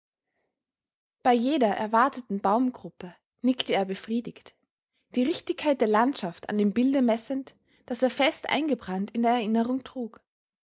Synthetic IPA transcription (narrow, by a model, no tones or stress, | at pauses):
b̥aɪjeːdɐʔɛ̰ɐvaɐtʰətn̩baʊmɡʁʊpə | nɪktəeːɐbəfʁ̥iːdɪçt | d̥iːʁɪçtɪçkʰaɪt̚d̥eːɐlantʃafta̰ndeːmbɪldəmɛsənt | d̥aseːɐfɛstʔa̰ɪnɡəbʁantɪndeːɐɛɐɪnəʁ̞ʊŋtʁ̥uːk